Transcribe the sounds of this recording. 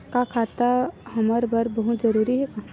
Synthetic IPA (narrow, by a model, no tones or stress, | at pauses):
kakʰat̪aɦɐməɾbɐɾbəɦʊt̪d͡ʒəɾuːɾiɦɛka